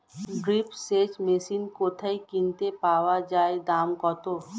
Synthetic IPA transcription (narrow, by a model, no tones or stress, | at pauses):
ɡɾipseːt͡ʃmeːsiːnkoːt̪ʰəikĩnt̪epaːwad͡ʒaːed̪aːmkɔːt̪o